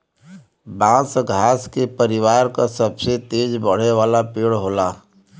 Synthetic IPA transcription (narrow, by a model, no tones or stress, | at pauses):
bãːsɡʱaːskepəɾɪwaːɾkasəbset̪eːd͡ʒbəɽ̤eʋaːlapeːɽɦoːlaː